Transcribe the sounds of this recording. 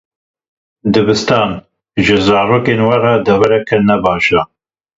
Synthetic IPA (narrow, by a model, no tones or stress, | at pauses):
d̪ɨbɨst̪ɑːn | ʒɨzɑːɾoːkenwɐrɑd̪ɛvɛɾɛkʰɨnɛbɑːʃa